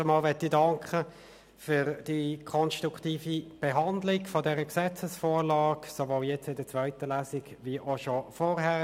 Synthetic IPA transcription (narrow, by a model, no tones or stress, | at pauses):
əmɑːlvɛtːidɑŋkʰχə | fʏʁd̥ikʰɔnʃtʁuktiːfib̥ɛɦɑnd̪lɪɡfɔdɛːʁəksɛt͡səsfoːʁlɑːksovoːljɛt͡sɪndət͡sʋœʏtəlæːsɪɡviʔoʃofɔʁɦæ